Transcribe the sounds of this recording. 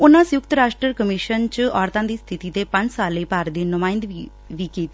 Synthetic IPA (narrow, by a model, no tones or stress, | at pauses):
ʊnãːsəjʊkt̪ɾaːʃʈɾəɾkəmɪʃənt͡ʃɔːɾt̪ãːd̪iːst̪ʰɪt̪iːt̪eːpə̃ɲd͡ʒsaːlːiːpaːɾd̪iːnʊmaːɪnd̪ | ʋiːkiːt̪i